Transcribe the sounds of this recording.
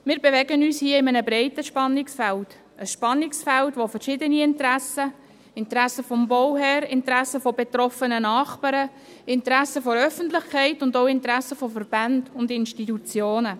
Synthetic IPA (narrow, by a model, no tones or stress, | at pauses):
mɪːɾbevɛɡənyːshiəɪmənəbɾɛɪtəʃpɑnːɪksfɛlt | əsʃpɑnːɪksfɛltʋofəɾʃɪdəniɪntɾæsə | ɪntɾæsəfɔmbowɦɛɾɪntɾæsəfobet̪ɾɔfənənɑːχpɑɾə | ɪntəɾæsəfoɾœfən̩tlɪχkʰɛɪtʊndoʊɪntɾæsəfofəɾb̥ændʊndɪnʃtitut͡sjoːnə